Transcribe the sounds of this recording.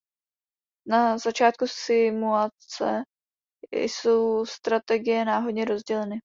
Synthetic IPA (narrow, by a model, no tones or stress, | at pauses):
nazat͡ʃaːt̪̚kusɪmuat͡sɛ̰ | so̞wst̪ɾat̪ɛɡɪjɛnaːɦo̞dɲɛɾo̞zɟɛlɛnɪ